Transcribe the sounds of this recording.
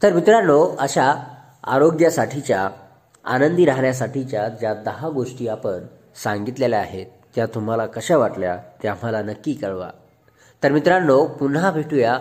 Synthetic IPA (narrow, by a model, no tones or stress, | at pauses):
t̪əɾmit̪ɾanoəɕa | a̰ɾoɡjasaʈʰit͡ɕja | a̰nənd̪iɾaɦɳjasaʈʰit͡ɕjad͡ʑjad̪əɦaɡoʂʈiːapəɳ | sãŋɡit̪lelaaɦet̪ːjat̪um̤alakəɕɛ̃ʋaʈlja̰t̪jam̤alanəkːiːkəɭʋa̰ | t̪əɾmit̪ɾanːopunɦabʱeʈuja